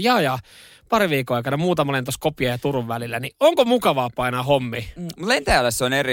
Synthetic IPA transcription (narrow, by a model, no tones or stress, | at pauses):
jɑːjɑ | pɑriʋiːkːoɑikɑnɑmuːt̪ɑmolent̪oskopiɑjɑt̪uruʋʋælilːænioŋkomukɑʋɑːpɑinɑhomːimut̪lent̪æːlːˑæseoneri